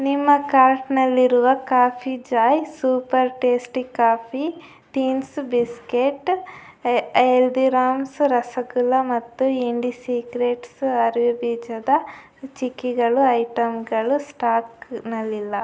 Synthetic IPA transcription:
nimːɐkaːɾʈnɐlːiɾuʋɐkaːpʰid͡ʒaːjsuːpɐɾʈeːsʈikaːpʰi | t̪iːnsbiskeʈː | eld̪iɾaːmsɾɐsɐɡulːɐmɐt̪ːuiɳɖisiːkɾeːʈsɐɾʋubiːd͡ʒɐd̪ɐ | t͡ʃikːiɡɐɭuɐjʈɐmɡɐɭusʈaːknɐlːilːɐ

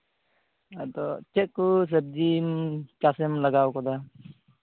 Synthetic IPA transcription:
at̪ɔt͡ʃɛkːus̬eb̚d͡ʒimt͡ʃasɛmlaɡawkɔd̪a

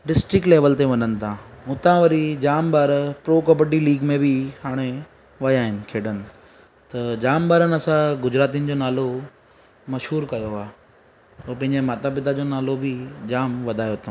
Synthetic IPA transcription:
ɖɪsʈɾɪkʈleːʋəlt̪eʋɐnənɪ̆t̪ʰãʊt̪ãʋɐɾid͡ʑaːmbaːɾpɾoːkəbəʈiliːɡmẽbɪɦaːɽ̃e | ʋɐjaːɦɪnɪ̆kʰeːɖənɪ̆ | t̪ɐd͡ʑaːmbaːɾənɐsãɡʊd͡ʑɾaːt̪̬iʊnɪ̆d͡ʑoːnaːlo | mɐʃɦuːɾkɐjoaː | oːpɐ̃ɦɪ̃ɲd͡ʑmaːt̪abɪd̪ad͡ʑoːnaːlobʱɪd͡ʑaːmʋɐd̪ʱaːjot̪ʰː

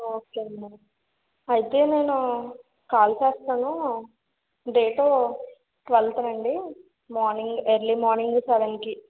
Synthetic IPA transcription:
oːkeːɐnɐɾu | ɐjit̪e̞ːne̞ːnu | kaːlt͡ʃɛːst̪aːnu | ɖeːʈoː | ʈʋɐlt̪ɾɐɳɖi | maːɾniŋɡeɾlimaːɾniŋɡsɛʋenki

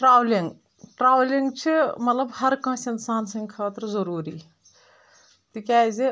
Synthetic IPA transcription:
ʈɾaːʋliŋɡ | ʈɾaːʋliŋɡt͡ʃʰimɐt̪lɐbhɐɾkɐ̃ːsɐnsaːnsɐ̃ŋɡʲkʰaːt̪ɾzɐɾuːɾiː | t̪ikʲaːzi

